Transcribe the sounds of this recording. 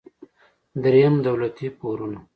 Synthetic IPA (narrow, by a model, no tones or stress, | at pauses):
d̪ɾejamd̪awlat̪ipoɾuna